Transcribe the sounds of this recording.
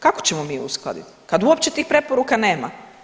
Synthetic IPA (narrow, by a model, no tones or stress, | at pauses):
kakot͡ɕemo̞miːṵsklˠa̰d̪ḭt̪ | kad̪uopt͡ɕet̪iːxpɾe̞poɾukane̞ːma̰